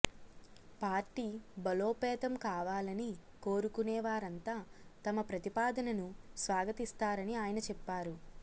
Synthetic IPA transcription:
paːɾʈiːbɐlo̞ːpɛːt̪ɐmkaːʋaːlɐni | ko̞ːɾukunɛːʋaːɾɐnt̪aːt̪ɐmɐpɾɐt̪ipaːd̪ɐnɐnusʋaːɡɐt̪ist̪aːɾɐniaːjɐnɐt͡ʃɛpːaːɾu

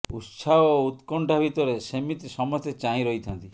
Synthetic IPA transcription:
ut̪saɦɔut̪kɔɳʈabʱit̪ɔɾesemit̪isɔmɔst̪et͡ʃaĩɾɔɦit̪ʰant̪i

